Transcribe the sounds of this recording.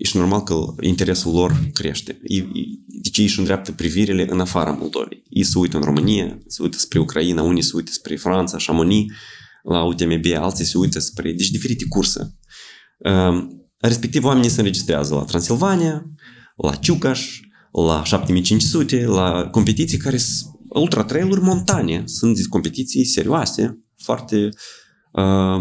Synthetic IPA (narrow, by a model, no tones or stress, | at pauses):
jeʃno̞rmalkəḭnt̪eɾe̞sulːo̞rkɾe̞ʃt̪ʲejḛd̪et͡ʃeeʃund̪ɾeap̚t̪əpɾiviɾileʔɨnafaɾəa̰mo̞lˠd̪o̞̰vḛjjḛjsəujt̪əɨnro̞mɨnijasəṵjt̪ə̥spɾe̞ukɾainaunʲijsəujt̪ə̥spɾe̞fɾant̪saʃamonilaut̪emebea̰lt̪sijseujt̪əspɾḛd̪et͡ʃ̬ʲd̪ife̞ɾit̪ekursə̰ | ə | re̞spek̚t̪ivowamenijseɨnrɾe̞d͡ʒist̪ɾea̰zəla̰t̪ɾansilvanija | la̰t͡ʃukaʃ | la̰ʃap̚t̪emijt͡ʃint͡ʃsut̪e̞lako̞mpet̪it̪sijkaɾeɨlˠt̪ɾat̪ɾelˠurʲmo̞nt̪anʲesunt̪d̪eko̞mpe̞t̪it̪sijse̞ɾioasḛ | foa̰rt̪e | ə